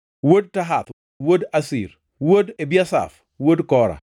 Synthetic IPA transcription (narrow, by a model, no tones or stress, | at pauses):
wod̚taɦat̪ | wodasḭɾ | wodebjasa̰f | wodkɔɾa̰